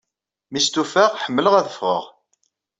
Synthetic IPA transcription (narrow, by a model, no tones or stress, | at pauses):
mist̪ufaʁħəmːələʁæðəfʁə̰ʁ